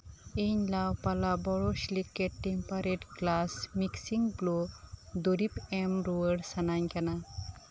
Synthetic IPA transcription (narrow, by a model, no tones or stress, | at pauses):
eɲlawpalabɔɽɔslikːeʈːempaɾeʈklasmiksiŋblod̪oɾipemɾuwəɽsanaɲkana